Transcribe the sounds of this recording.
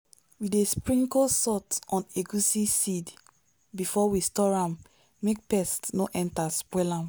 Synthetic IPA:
widespɹĩŋkosɔtɔ̃neɡusisid | bifɔwistɔɹãmː | ek̚pɛstnoʔɛ̃ntaspwɛlãm

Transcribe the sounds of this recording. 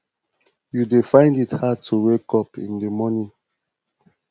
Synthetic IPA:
judefãɪ̃ndithad̚tʰuwekɔpḭ̃ndəmɔnĩ

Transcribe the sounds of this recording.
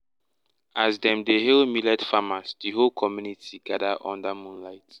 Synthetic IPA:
azdɛ̃mdeɦelmilɛdfamasdiɦolkʰɔmjunitʰiɡadaʔɔ̰̃ndamũnlaɪt

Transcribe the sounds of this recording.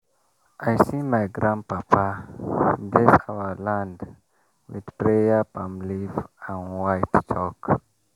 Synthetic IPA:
ʔajsimajɡɾãnpapʰa | blesawəlãnd | wḭd̥pɾejəpãmlivãnwajtt͡ʃʰɔk

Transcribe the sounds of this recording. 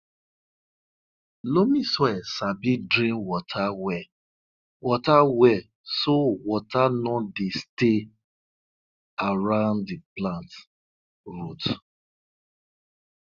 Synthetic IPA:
lomiswɛsabidɾĩnwɔtʰawɛ | wɔtawɛ | sowɔtanɔdeste | aɹãʊ̃nddiplãnt | ɹut

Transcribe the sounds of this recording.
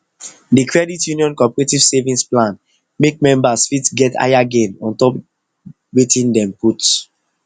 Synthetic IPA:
dikʰɹɛditjũniɔ̃nkɔpɛɹetiv̥sevĩnsplãn | mek̚mɛ̃mbasfitɡɛta̰jaɡẽnɔ̃ntɔp | wetĩndɛ̃mput

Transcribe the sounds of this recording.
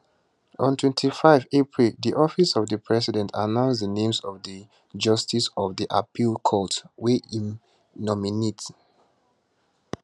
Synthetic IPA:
ɔ̃ntʰwɛ̃ntʰifaɪvepʰɹildiʔɔfisɔvðəpʰɹɛsidɛ̃ntʰanãʊ̃ns̬dənẽmsɔvði | d͡ʒʌstisɔvdiʔapʰilkʰɔtweim | nɔminet

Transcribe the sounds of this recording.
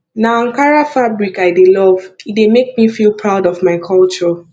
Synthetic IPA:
naãŋkaɹafabɹikaɪdelɔvit̚demek̚mifilˠpʰɹaʊdɔvmaɪkʰɔlt͡ʃɔ

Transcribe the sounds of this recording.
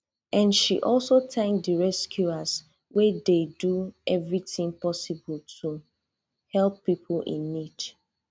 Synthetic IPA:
ʔãnʃḭʔɔlˠsotʰɛ̃ŋdiɹɛskʰjuas | wededuɛvɹitɪ̃ŋpɔsibəltʰu | hɛlˠpːipʰlḭ̃nit

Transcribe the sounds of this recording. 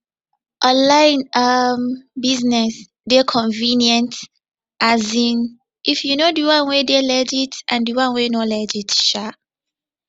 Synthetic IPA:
ʔɔ̃nlãɪnambiznɛs | dekʰɔ̃ɱvĩnjɛ̃nt | ʔazĩn | ʔifjunodiwãnwedelɛd͡ʒitʔãndiwãnwenolɛd͡ʒitʃa

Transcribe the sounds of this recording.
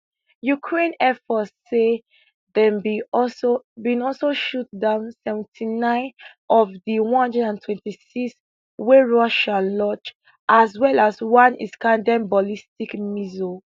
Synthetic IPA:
jukʰɹẽnɛfɔtse | ðɛ̃nbisobĩnɔlsoʃut̚dãʊ̃nsɛvɛ̃ntʰinãɪ̃n | ɔvdiwɔ̃nhʌ̃ndɹɛdãntʰwɛ̃ntisiks | weɹɔʃalɔt͡ʃ | ʔazwɛlaswãnḭskãndɛ̃mbɔlistikmizo

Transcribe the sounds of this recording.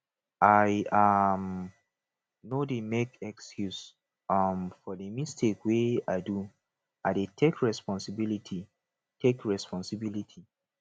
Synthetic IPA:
aɪam | nodemekɛkskjus | ʌmfɔdəmistʰekweaɪdu | aɪdetʰekɹɛspɔ̃nsibilitʰi | tʰekɹɛspɔ̃nsibilitʰi

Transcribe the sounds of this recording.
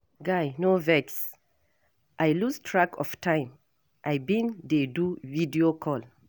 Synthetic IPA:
ɡajnovɛks | ʔajlustʰɹakɔ̰ftʰãɪ̃m | ʔajbĩndeduvidiokʰɔl

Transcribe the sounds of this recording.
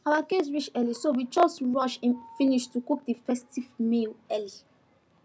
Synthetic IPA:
awakes̬ɹit͡ʃɛlisowid͡ʒɔstɹɔʃɛ̃nfĩniʃtukuk̚difɛstivmelɛli

